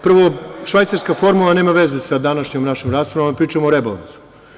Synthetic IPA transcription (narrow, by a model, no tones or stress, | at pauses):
pr̩ʋoʃʋajt̪saɾskafo̞ɾmulˠane̞ːmaʋe̞zesad̪anaʃɲomnaʃomɾaːspɾaʋompɾiːt͡ʃamooɾebala̰nsu̥